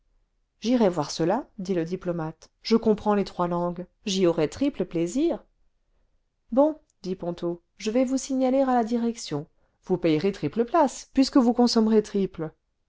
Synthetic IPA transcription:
ʒiʁɛvwaʁsəlad̪iləd̪iplɔmat̪ | ʒəkɔ̃pχɑ̃let̪χwalɑ̃ɡ | ʒiɔʁɛt̪χipləpleziːʁ | bɔ̃ | d̪ipɔ̃t̪o | ʒəvɛvusiɲaleʁalad̪iʁɛksjɔ̃ | vupɛjʁet̪χipləplaspɥiskəvukɔ̃sɔmʁet̪χiplə

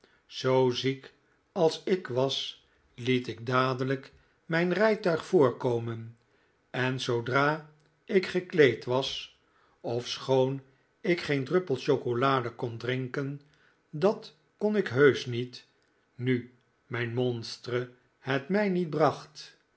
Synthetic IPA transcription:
z̥owzik | ɑlˠsɪkʋɑs | litɪɡ̚daːdələk | mɛjnrɛjtœɥχfʊːɹkowmən | ɛnzowdraː | ɪkχəklejtʋɑs | ɔfsχown | ɪkχejndrɵpəlˠʃowkolaːdəkɔndrɪŋkən | dɑt | konɪkɦøɥsnit | ny | mɛjnmɔnstrə | hɛtmɛjnit̚brɑχt

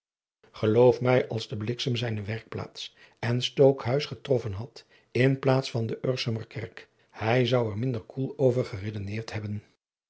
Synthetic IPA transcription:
χəlowfmɛjɑlˠzdəblɪksəmzɛjnəʋɛɹk̚pla̰ːts | ɛnstowkɦœɥsχətrɔfənɦɑt | ɪnplaːtsfɑndəʔøɹsəməɹkʰɛɹk | hɛjzʌwɛɹmɪndəɹkʰulˠowvəɹχəredənɪːɹtɦɛbən

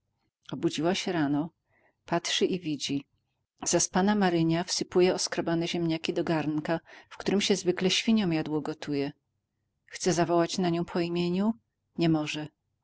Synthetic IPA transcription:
ɔbud͡ʑiwaɕɛɾanɔ | patʂɘʔivʲid͡ʑi | z̥aspanamaɾɘɲafsɘpujɛɔskɾɔbanɛʑɛmɲakʲid̪ɔɡaɾnkafkt̪uɾɘmɕɛzvɘklɛɕfʲiɲɔ̃w̃jad̪wɔɡɔt̪ʰujɛ | xt̪sɛzavɔwat͡ɕnaɲɔ̃w̃pʰɔimʲjeɲu | ɲɛmɔʐɛ

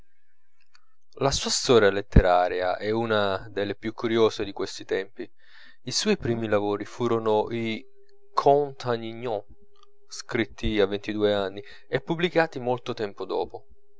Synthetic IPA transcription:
lasuːast̪ɔːɾjalet̪ːeɾaːɾea̰ʔɛunad̪elːepjukʰːuɾjoːzed̪ikwest̪it̪ɛmpi | iswɔjpɾiːmilavoːɾifuːɾonoʔi | kʰɔnt̪ʰaɲiɲːɔ̃ | skɾit̪ːiavːent̪id̪uːeanːi | ɛpːublikaːt̪imolt̪ot̪ɛmpod̪ɔ̰ːpo

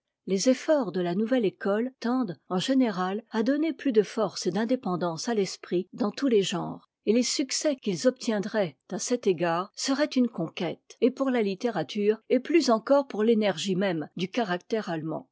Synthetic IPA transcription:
lezefɔʁd̪əlanuvɛlekɔlt̪ɑ̃d̪ɑ̃ʒeneʁalad̪ɔneplyd̪əfɔʁsed̪ɛ̃d̪epɑ̃d̪ɑ̃salɛspχid̪ɑ̃t̪uleʒɑ̰̃ːʁ | elesyksɛkʲilzɔp̚t̪jɛ̃d̪ʁɛt̪asɛt̪eɡaːʁsəʁɛt̪ynkɔ̃kʲɛt̪epuʁlalit̪eʁat̪ʰyːʁeplyzɑ̃kɔʁpuʁlenɛʁʒimɛmd̪ykaʁakt̪ɛʁalmɑ̰̃

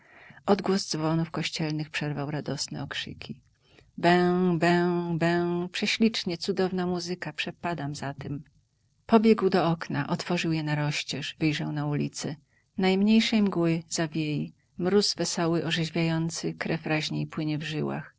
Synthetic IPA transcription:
ʔɔd̪ɡwɔzd̪zvɔnufkɔɕt͡ɕɛlnɘxpʂɛɾvawɾad̪ɔsnɛ̰ɔkʂɘ̰kʲi | bɛbɛbɛ̃wpʂɛɕlʲit͡ʂɲɛt̪sud̪ɔvn̪amuzɘkapʂɛpad̪amzat̪ɛm | pɔbʲjɛɡwd̪ɔɔknaʔɔt̪fɔʐɨwjɛnaɾɔɕt͡ɕɛʂvɘjʐawnaulʲit̪sɛ | najmɲejʂɛjmɡwɘz̥avʲjeji | mɾuzvɛsɔwɘʔɔʐɛʑvʲjajɔnt̪sɘkɾɛfɾaʑɲeipwɘɲɛvʐɘwa̰x

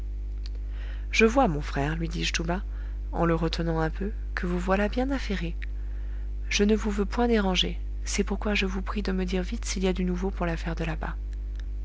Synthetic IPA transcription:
ʒəvwamɔ̃fχɛːʁlɥid̪iʒt̪uba | ɑ̰̃ləʁət̪ʰənɑ̃ɛ̃pʰø | kʰəvuvwalabjɛ̃nafeʁe | ʒ̥ənəvuvøpwɛ̃d̪eʁɑ̃ʒe | sɛpuʁkwaʒəvupχid̪əməd̪iʁvit̪siliad̪ynuvopuʁlafɛʁd̪əlaba̰

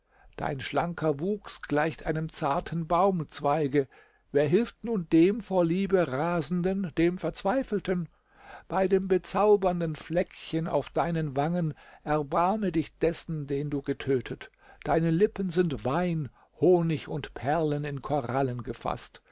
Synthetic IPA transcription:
d̥a̰ɪnʃlaŋkʰɐvuːksɡ̥laɪçtʔaɪnəmt͡saɐtʰn̩baʊmt͡sv̥aɪɡə | veːɐɦɪlftnuːndeːmfoːɐliːbəʁaːzn̩dənd̥eːmfɛɐt͡sv̥aɪfl̩tʰən | b̥aɪdeːmbət͡saʊbɐndənflɛkçəna̰ʊfd̥aɪnənvaŋənʔɛɐbaɐmədɪçd̥ɛsn̩deːnduːɡətʰøːtʰət | d̥aɪnəlɪpən̩zɪntv̥aɪn | hoːnɪçʊntpʰɛɐlənɪnkʰoʁalənɡəfa̰st

